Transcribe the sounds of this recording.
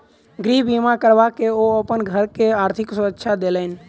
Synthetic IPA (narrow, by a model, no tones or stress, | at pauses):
ɡɾiɦbimakəɾʋakeoəpənɡʱəɾkeaːɾt̪ʰɪksʊətːʃʰad̪eːləɪn